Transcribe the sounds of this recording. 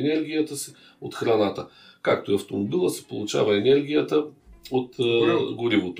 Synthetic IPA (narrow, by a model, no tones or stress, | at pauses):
ɛnɛɾɡʲijət̪əsi | ot̪xɾɐnat̪ə | ka̰k̚t̪oiɐft̪omobilˠəsɛ̥po̰lˠut͡ʃa̰vɐɛnɛɾɡʲijət̪əot̪ɡoɾivot̪o